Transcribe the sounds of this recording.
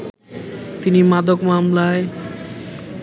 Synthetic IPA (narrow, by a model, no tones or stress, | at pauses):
t̪inimad̪okmamlae